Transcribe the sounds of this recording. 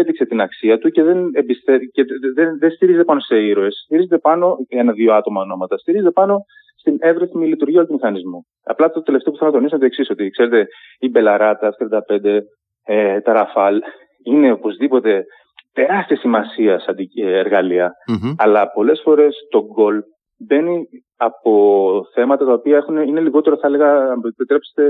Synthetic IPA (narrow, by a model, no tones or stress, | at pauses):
ed̪ikse̞t̪inɐksiɐt̪uce̞ðe̞nebist̪eceðeðest̪iɾizet̪epɐno̞se̞iɾoe̞sst̪iɾizet̪epɐno̞e̞nɐðio̞ɐt̪o̞mɐono̞mɐt̪ɐst̪iɾizet̪epɐno̞ | st̪ine̞vɾeθmilit̪uɾʝiɐolɐt̪umixɐnizmu | ɐ̰plɐt̪ot̪e̞left̪epuθelonɐt̪o̞nisumɐt̪oe̞ksiso̞t̪ikse̞ɾe̞t̪e̞ | ibe̞lɐɾɐt̪ɐst̪ɾiɐnd̪ɐpe̞nd̪e̞ | et̪ɐɾɐfɐl | ine̞opo̞zðipo̞t̪e̞ | t̪e̞ɾɐst̪iɐsimɐsiɐsɐd̪ieɾɣɐliɐːlɐpo̞le̞sfo̞ɾe̞st̪o̞ɡo̞l | be̞ni | ɐpo̞θe̞mɐt̪ɐt̪ɐopiɐe̞xuneine̞liɣo̞t̪e̞ɾoθɐele̞ɣɐpit̪ɾe̞pse̥t̪e̞